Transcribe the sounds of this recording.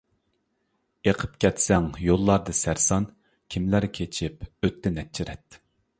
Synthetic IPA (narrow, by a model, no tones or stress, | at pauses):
eqʰə̥pkʲʰɛt̪sɛŋjolˠːɑɾd̪ɨsæɾsɑn | kʲʰimlæɾkʲʰet͡ʃʰipøt̪ʰːɛnɛt̪̚t͡ʃʰiɾɛt̪